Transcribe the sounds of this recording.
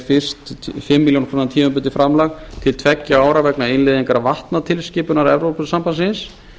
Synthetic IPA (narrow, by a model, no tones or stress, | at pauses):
fɪr̥st̪fɪmːiljownkʰɾunat̪ʰiːmampʏnt̪ɪfɾamlaɣt̪ʰɪlt̪ʰvɛcːaaːwɾavɛknaɪnlɪːðiŋkaɾavaht̪nat̪ʰɪlscɪːpʏnaɾɛvɾowpʏsampansɪns